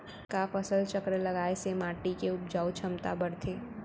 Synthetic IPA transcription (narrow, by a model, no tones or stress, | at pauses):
kafɐsəlt͡ʃəkɾelɐɡaːesemaːʈikeʊp̚d͡ʒaːwt͡ʃʰɐmt̪a̰bɐɽt̪ʰeː